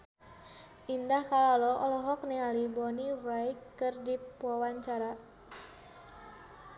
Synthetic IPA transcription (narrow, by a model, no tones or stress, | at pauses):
ʔindahkalaloɔlɔɦɔk̚nialibɔniwajikːɨrdipuawaɲt͡ʃaɾa